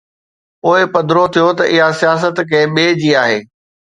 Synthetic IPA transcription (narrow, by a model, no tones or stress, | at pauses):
poːɪpɐd̪ɾot̪ʰijot̪ɐʔɪɦasijaːs̬ət̪kɐ̃ɓeːd͡ʑiːaːɦeː